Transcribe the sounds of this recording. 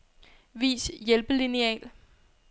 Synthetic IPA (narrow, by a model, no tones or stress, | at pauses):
ʋḭːsjelb̥əliniɛ̰ːl